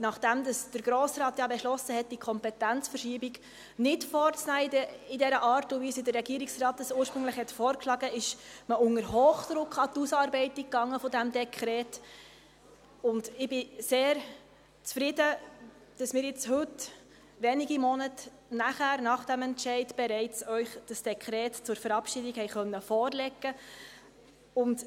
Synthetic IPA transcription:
nɑχd̥æmdɑsd̥əɾɡɾoːsɾɑːt̪jɑbɛʃlɔsəɦɛt̚d̥ikʰɔmpɛtænt͡sfərʃiːəbik | nɪtfɔːɾt͡snæːiəɪdɛɾəʔɑːɾtʊʋisidərːɛɡiəɾiksrɑːtəsuːəɾʃpɾɵŋləχhɛtfɔːɾkʃlɑɡəɪʃməʊŋəɾhoːχd̥̪ɾʊkχɑtusɑːɾbɛɪtikːɑŋːəfɔdæmdɛkʰχɾɛːt | ʊndɪb̥ɪseːɾ | t͡sfɾɪdə | d̥ɑsmɪːɾjɪt͡shɵt | ʋɛniɡimɔnət | næχæːɾnɑχd̥æmɛntʃɛɪdb̥ɛɾɛɪt͡sœʏχd̥əsd̥ɛkʰɾɛːtt͡sʊɾfəɾɑpʃidikhɛɪχœnːəfɔːrlɛɡːə | ʊnd

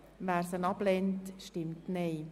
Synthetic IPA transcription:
ʋæːɾsənɑblentʃtɪmtneː

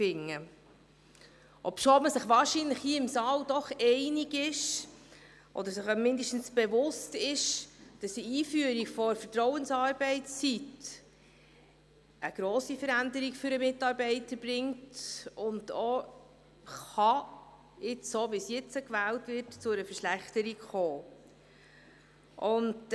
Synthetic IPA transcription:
fɪŋːə | ʔɔpʃoːməsɪχʋɑːɾʃinləχhiːɪmsɑːldɔχɛɪniɡɪʃ | ʔɔ̰d̪əɾsɪχmɪndəʃtn̩sb̥ɛvʊstɪʃd̥ɑsiiːfyːəɾikfɔfətɾɔwənsɑːɾbɛɪt͡st͡sit | ʔəɡ̥ɾoːsifəɾændəɾikfʏɾəmɪtɑːɾbɛɪtəɾb̥ɾɪŋtʊndo | χɑ | ɪt͡ssoːʋisjɛt͡səkʋæːltʋɪrtt͡sʊəɾəfəʃlæχtəɾikχoː | ʔʊnd

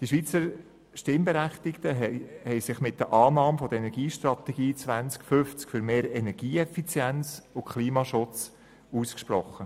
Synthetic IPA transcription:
d̥iʃvʋiːt͡səɾ | ʃtɪmbɛɾæχt̪ɪktəɦɛhɛɪsɪχmɪt̚d̪əʔɑːnɑːmfɔd̪əɾɛnɛɾɡiːʃtɾɑt̪ɛɡ̥iːt͡sʋænt͡skfʏft͡skfʏɾmeːɾɛnɛɾɡ̥iːɛfit͡sjɛnt͡sʊkχliːmɑʃʊt͡s | uːskʃprɔχːə

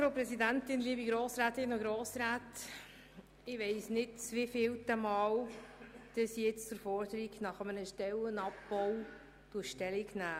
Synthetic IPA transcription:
fɾoʊpɾɛsidæntɪnliːbiɡɾoːsɾaːtɪnoɡɾoːsɾaːt | ɪʋeɪsnɪt̚t͡sʋifɪːltəmɑːl | d̥əsjɪt͡st͡sʊɾfɔɾdəɾiɡnɑχəmənəʃtɛlənɑp̚bɔw | tuʃtɛliɡnæː

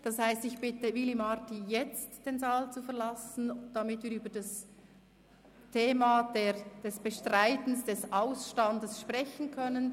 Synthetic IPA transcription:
d̥ɑshaɪstɪçb̥ɪtəvilimɑtijɛt͡std̥eːnzaːlt͡sufɛɐlɑsn̩d̥amɪtv̥iːɾyːbədɑs | tʰeːmad̥eːd̥ɛsb̥əʃtʁaɪtn̩sd̥ɛsaʊsʃtɑndəsʃpʁɛçən̩kʰœnən

